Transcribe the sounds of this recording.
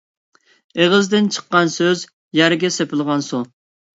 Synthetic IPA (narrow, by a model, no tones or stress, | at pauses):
eʁəzd̪ɪnt͡ʃʰə̥qːɑnsøz | jæɾɡʲɛsepɪlˠʁɑnsu